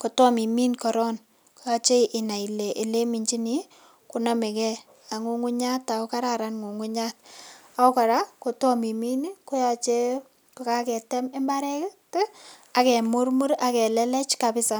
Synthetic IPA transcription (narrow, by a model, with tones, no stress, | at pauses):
ko˨twɔ˦mi˨mi˦nkɔ˨ɾɔ˦n | ko˦ja˦t͡ʃe˦ʔɪ˨na˨i˨le˨ʔe˨le˦mi˨ɲt͡ʃi˦ni˦ | ku˨na˦me˨kɛ˦ | a˨ŋu˨ŋu˦ɲa˦ta˨o˦ka˦ɾa˨ɾa˦nŋu˨ŋu˦ɲa˦t̚a˨ɔ˦ka˨ɾa˦ko˨twɔ˦mi˨mi˦n˦ko˦ja˦t͡ʃe˦ | ko˨ka˦kɛ˨tɛ˦me˦mba˦ɾɛ˦ktɪ˦a˨kɛ˨mo˦rmu˦ɾa˨kɛ˨lɛ˦lɛ˦t͡ʃka˨pɪ˦sa˨